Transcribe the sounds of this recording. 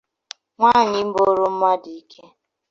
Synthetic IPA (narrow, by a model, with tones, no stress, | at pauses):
ŋʷa˦˨ɲɪ˨m̩˦bo˦ɾo˦m̩˦ma˦di˨˦˨kʰe˦